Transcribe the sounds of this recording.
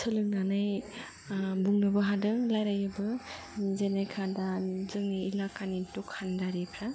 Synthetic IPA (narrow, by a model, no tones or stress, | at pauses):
sʰɯlɯŋnanaj | buŋnɯbɯɦadɯŋlajɾajɯbɯ | zenekʰadazɯŋniːlakanitukʰːandaɾipʰɾa